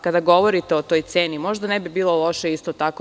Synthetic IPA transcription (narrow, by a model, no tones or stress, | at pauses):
kad̪aɡo̞ʋo̞ɾit̪eot̪o̞jt̪seːnimo̞ʒd̪anebibiːlo̞lˠo̞ʃeist̪ot̪ako